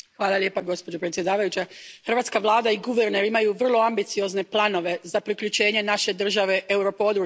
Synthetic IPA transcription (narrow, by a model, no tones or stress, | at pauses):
xʋaːlˠalʲje̞ːpaɡo̞spo̞d͡ʑo̞pɾet̪sʲje̞d̪aːʋajut͡ɕaxr̩ʋat̪skaʋlˠaːd̪aiɡuʋeɾneɾimajuʋr̩lˠo̞ambit̪sio̞zne̞plˠano̞ʋe̞zapɾikʎut͡ɕe̞ːɲe̞naʃe̞d̪r̩ʒaʋe̞ʔeuɾo̞po̞d̪ɾuː